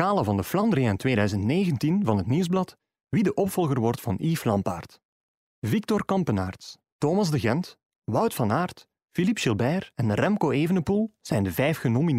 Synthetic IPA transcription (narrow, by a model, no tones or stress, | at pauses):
kaːləvɑndəflɑndɾiantweːdœɥzəntneːɣəntinvɑnɦətniwzblɑt | ʋidəʔɔpfɔlˠɣərʋɔrtfɑniːflɑmpa̰ːrt | vik̚tɔrkɑmpəna̰ːrts | toːmɑzdəɣɛnt | wɑwtfɑnaːrt | filipʃɪlˠbɛjərɛnrɛmkoːeːvənəpulˠz̥ɛjndəvɛjfxənomin